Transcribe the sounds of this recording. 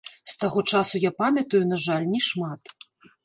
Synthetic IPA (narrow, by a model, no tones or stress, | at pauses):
st̪aɣɔt͡ʂasujapamʲɐt̪ɐjunaʐalʲnʲɛʂmat̪